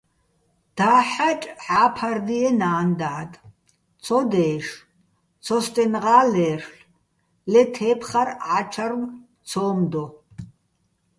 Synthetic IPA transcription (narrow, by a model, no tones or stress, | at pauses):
d̪̥aːħat͡ʃʼħaːpʰard̪iɛnaːnd̪aʕd̪ | t͡sʰɔd̪ɛːʂ | t͡sʰɔst̪ʼɛnʁaːlɛːrɬ | lɛt̪ʰɛːpʰχarat͡ʃʰarw | t͡sʰɔːmd̪ɔ